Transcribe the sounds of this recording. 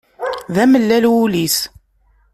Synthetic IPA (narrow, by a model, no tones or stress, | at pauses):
ðæməlːælwulis